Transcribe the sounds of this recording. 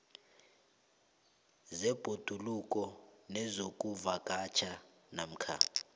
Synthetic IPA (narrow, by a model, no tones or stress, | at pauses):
zɛb̥ʱod̥ʱulukʼɔnɛzokʼuvakʼat͡ʃʰa | nam̩kʰa̰